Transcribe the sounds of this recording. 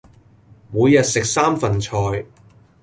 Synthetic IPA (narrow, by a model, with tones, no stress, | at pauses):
muː˨˧jːɐ˨t̚sɪ˨k̚saː˥mfɐ˨nt͡sʰɔː˨˧j